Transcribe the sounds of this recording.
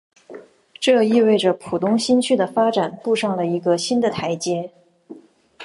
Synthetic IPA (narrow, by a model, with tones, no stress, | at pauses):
ʈ͡ʂɤ˥˧i˥˧we˥˩ɪʈ͡ʂə˩pʰu˨˩t̪ʊ˥ŋɕi˥nt͡ɕʰy˥˩d̪ə˩fa˥ʈ͡ʂa˨˩npu˥˧ʂɑ˥˩ŋlə˩i˧˥ɡə˧ɕi˥nd̪ə˨t̪ʰa˧˥ɪt͡ɕjɛ˥